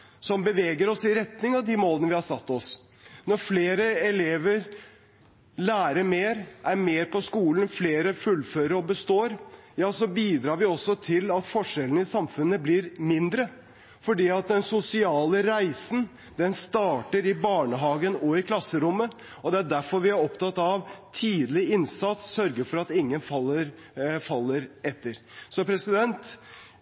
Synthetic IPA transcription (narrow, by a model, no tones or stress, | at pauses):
sɔmbəʋeːɡəɾɔsɪɾɛt̪nɪŋɑʋd̪ɪmoːlənəʋɪhɑɾsɑt̪ːɔs | nɔɾfleːɾəɛleːʋəɾ | læːɾəmeːɾʔæɾmeːɾpʰɔskuːln̩fleːɾəfʉlːføːɾəɾɔbəst̪oːɾjɑːsɔbiːd̪ɾɑːɾʋɪɔsɔt̪ʰɪlɑt̪fɔʂɛlənɪsɑmfʉnːəblɪɾmɪnd̪ɾə | fɔɖiːɑt̪̚d̪ɛnsʊsɪɑːləɾæɪsn̩ | d̪ɛnst̪ɑːʈəɾɪbɑːɳəɦɑːɡənɔɪkʰlɑsːəɾʊmːə | ɔd̪ɛæɖæɾfɔɾʋɪæɾɔpt̪ɑt̪ːɑʋt̪ʰiːd̪lɪɪnsɑt̪sːœɾɡəfɔɾɑt̪ɪŋːənfɑlːəɾ | fɑlːəɾɛt̪ːəɾsɔpʰɾɛsɪd̪ɛnt̪